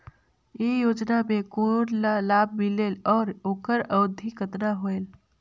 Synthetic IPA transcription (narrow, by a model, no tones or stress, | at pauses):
ejod͡ʒnamekollab̚ʱmilelɔːɾokəɾəd̪ʱːikət̪naɦoel